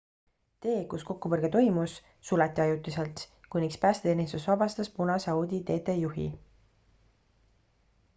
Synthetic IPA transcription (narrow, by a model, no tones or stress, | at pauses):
t̪e̞ːkusko̞kːupɤrɡ̥et̪o̞jmusː | ulɑt̪ːˑiɑjut̪ːˑiselt̪kunikspæːst̪et̪eːnʲist̪usvɑbɑst̪ɑspunɑsɑwd̪ʲit̪e̞ːt̪e̞juɦḭ